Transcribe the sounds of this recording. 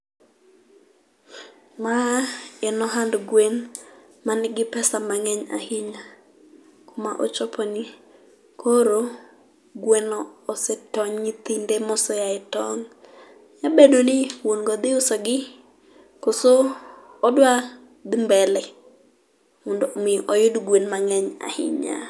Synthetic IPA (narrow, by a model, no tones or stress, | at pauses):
maɛnɔɦandɡwen | manɪɡɪpɛsamaŋɛɲa̰hɪɲa | komaʔot͡ʃɔpʰɔni | kʰoɾo | ɡwɛnɔːsɛtɔɲɲɪt̪indemɔsɔjaɛtɔŋ | jabedonɪwonɡɔd̪ɪʊsɔɡɪ | kosoː | dwa | d̪ɪmbɛlɛ | mondomɪʔɔjʊdɡwenmaŋɛɲa̰hɪ̰ɲa̰